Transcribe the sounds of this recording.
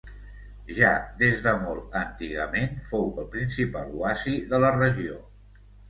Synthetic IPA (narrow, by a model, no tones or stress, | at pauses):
ʒad̪ezðəmɔlˠənt̪iɣəmenfowəlˠpɾinsipaluasiðələrəʒio